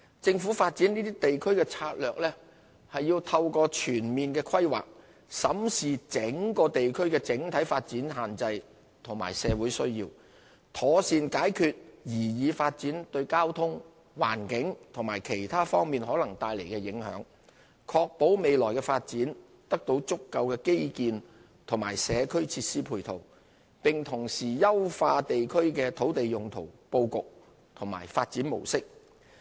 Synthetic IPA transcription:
t͡sɪ˧ŋfuː˨˥faː˧t̚t͡siː˨˥niː˥t̪iː˥t̪e˨jkʰɵ˥ɥkɛː˧t͡sʰaː˧t̚lœː˨k̚lɛː˥ | hɐ˨jːiː˧wt̪ʰɐ˧wkɔː˧t͡ʃʰyː˨˩nmiː˨nkɛː˧kʰɐ˥jwa̰ː˨k̚ | sɐ˨˥msiː˨t͡sɪ˨˥ŋkɔː˧t̪e˨jkʰɵ˥ɥkɛː˧t͡sɪ˨˥ŋt̪ʰɐ˨˥jfaː˧t̚t͡siː˨˥nɦaː˨nt͡sɐ˧j | t̪ʰʊ˨˩ŋma̰ː˨˩jsɛː˨˧wuː˨˥jsɵ˥ɥjḭː˧w | t̪ʰɔː˨˥siː˧nkaː˨˥jkʰyː˨t̚jiː˨˩jiː˨˧faː˧t̚t͡siː˨˥nt̪ɵ˧ɥkaː˥wt̪ʰʊ˥ŋ | wa̰ː˨˩nkɪ˨˥ŋt̪ʰʊ˨˩ŋmaː˨˩jkʰe˨˩jt̪ʰaː˥fɔː˥ŋmiː˨nɦɔː˨˥lɐ˨˩ŋt̪aː˧jle˨˩jkɛː˧jɪ˨˥ŋhœ̰ː˨˥ŋ | kʰɔː˧k̚po˨˥wme˨jlɔː˨˩jkɛː˧faː˧t̚t͡siː˨˥n | t̪ɐ˥k̚t̪o˨˥wt͡sʊ˥kːɐ˧wkɛː˧ke˥jkiː˧n | t̪ʰʊ˨˩ŋmaː˨˩jsɛː˨˧kʰɵ˥ɥt͡sʰiː˧t̚siː˥pʰuː˨˩jt̪ʰo˨˩w | pɪ˨ŋt̪ʰʊ˨˩ŋsiː˨˩jɐ˥wfaː˧t̪e˨jkʰɵ˥ɥkɛː˧t̪ʰo˨˥wt̪e˨jjʊ˨ŋt̪ʰo˨˩wpo˧wkʊ˨k̚ | t̪ʰʊ˨˩ŋma̰ː˨˩jfaː˧t̚t͡siː˨˥nmo̰˨˩wsɪ˥k̚

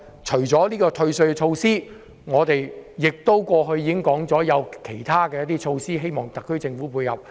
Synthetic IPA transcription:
t͡ʃʰɵ˨˩ɥt͡sɔː˨˥liː˥kɔː˧t̪ʰɵ˧ɥsɵ˧ɥkɛ˧t͡ʃʰo˧wsiː˥ | ŋɔː˨˧t̪e˨jjɪ˨k̚t̪o˥wkʷɔː˧ɦɵ˧ɥjːiː˨kɪ˥ŋkɔː˨˥ŋt͡sɔː˨˥jɐ˨˧wkʰe˨˩jt̪ʰaː˥kɛː˧jɐ˥t̪iː˥t͡ʃʰo˧wsiː˥ɦe˥jmɔː˨ŋt̪ɐ˨kʰːɵ˥t͡sɪ˧ŋfuː˨˥puː˧jhɐ̰˨˩p̚

